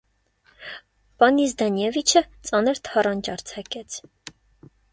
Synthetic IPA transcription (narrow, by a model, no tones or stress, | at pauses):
pɑnis̬d̪ɑnjɛvit͡ʃʰət͡sʼɑnəɾt̪ʰɑrɑnt͡ʃɑɾt͡sʰɑkɛt͡sʰ